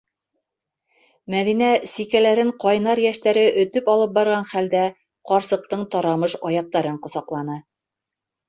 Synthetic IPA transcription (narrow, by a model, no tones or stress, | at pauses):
mæðinæsikælæɾɘɴqɒjnɑɾjæʃt̪æɾɘʔɵ̆t̪ɵpɒlˠɤp̚bɑɾʁɑnχæld̪æ | qɒɾsɤ̆q̚t̪ɤɴt̪ɒɾɑmɤʃɒjɑq̚t̪ɑɾɤɴqŏsɑqlˠɑnɤ